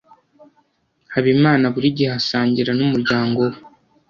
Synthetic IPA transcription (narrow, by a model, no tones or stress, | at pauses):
haβimaːnaβuɾiɟihasaːɲɟiɾanumuɾɟaːŋɡo̞we